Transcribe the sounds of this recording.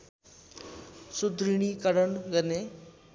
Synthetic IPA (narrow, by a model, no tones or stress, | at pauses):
sud̪ɾiɳ̃ikəɾəɳɡəne